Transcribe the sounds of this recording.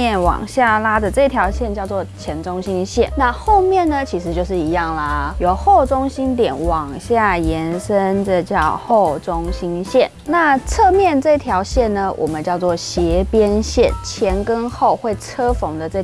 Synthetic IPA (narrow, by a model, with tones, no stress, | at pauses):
ɛ˥˩nwɑ̰˨˩ŋɕja˥˩la˥d̪ə˨ʈ͡ʂɤ˥˧i˥t̪ʰjɑ˧˥ʊɕjɛ˥˧nt͡ɕjɑ˥˧ʊt͡swɔ˥˩t͡ɕʰjɛ˧˥nʈ͡ʂʊ˥ŋɕi˥nɕjɛ˥˩nna˥˧xo˥˧ʊmjɛ˥˨nːə˨t͡ɕʰi˧˥ʂɻ̩˧˥t͡ɕjo˥˧ʊʂɻ̩˥˩i˧˥jɑ˥˩ŋlə˩jo˨˩ʊxo˥˩ʊʈ͡ʂʊ˥ŋɕi˥nt̪jɛ˨˩nwɑ˨˩ŋɕja˥˩jɛ˧˥nʂə˦˥ndə˨t͡ɕjɑ˥˧ʊxo˥˩ʊʈ͡ʂʊ˥ŋɕi˥nɕjɛ˥˩nna˥˧t͡sʰɤ˥˧mjɛ˥˧nʈ͡ʂɤ˥˧i˥t̪ʰjɑ˧˥ʊɕjɛ˥˩nnə˨wʔɔ̰˨˩mə˨˦nt͡ɕjɑ˥˧ʊt͡swɔ˥˩ɕjɛ˧˥pjɛ˥nɕjɛ˥˩nt͡ɕʰjɛ˧˥nkə˦nxo˥˧ʊxwe˥˩ɪt͡sʰɤ˥fo˧˥ŋd̪ə˨ʈ͡ʂɤ˥˧